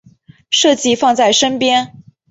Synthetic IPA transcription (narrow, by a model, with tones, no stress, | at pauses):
ʂɤ˥˧t͡ɕi˥˧fɑ˥˧ŋt͡sa˥˩ɪʂə˥npjɛ˥n